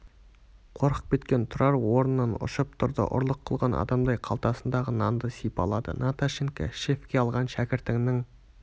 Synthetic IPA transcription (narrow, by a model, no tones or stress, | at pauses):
qʰo̞ɾqə̥q̚pʲʰe̞t̪kʲe̞nt̪ʰʊɾɑɾwoɾənːɑnʊ̰ʃəp̚t̪ʰʊɾd̪ə̰ʔʊ̰ɾlˠəqʰːəlˠʁɑnʔɑ̰d̪ɑmd̪ɑjqʰɑlˠt̪ɑsənd̪ɑʁənɑnd̪əsijpɑ̰lˠɑd̪ə̰nat̪aʃeŋka̰ʃe̞fkʲe̞ɑlˠʁɑnʃækʲɪɾt̪ɪŋnɪŋ